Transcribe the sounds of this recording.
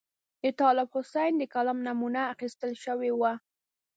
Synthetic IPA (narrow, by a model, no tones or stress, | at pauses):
d̪ət̪ɑlɪbhʊsajnd̪əkalamnamunaːxist̪əlʃəwewa